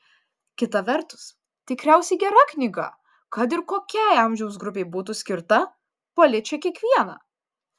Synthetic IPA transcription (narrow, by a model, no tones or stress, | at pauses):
kʲɪt̪ɐʋʲɛɾt̪ʊ̥s | t̪ʲɪkɾʲæˑʊsʲɛɪɡʲɛɾɐknʲɪɡɐ̰ | kɐt̪̬ɪɾkoːkʲɛˑɪɐˑmʲʒʲɛʊsɡɾʊpʲeɪbuːt̪̬usʲkʲɪɾt̪ɐ | pɐlʲɪt͡ʃʲɛkʲiɛkʋʲiɛnɑ̰ː